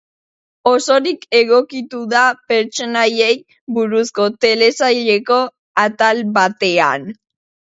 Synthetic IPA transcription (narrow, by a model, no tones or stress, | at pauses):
o̞so̞ɾike̞ɣ̞o̞kit̪uðape̞ɾt͡ʃo̞naje̞j | buɾusko̞t̪e̞le̞sajʎe̞ko̞ | at̪alβat̪e̞a̰n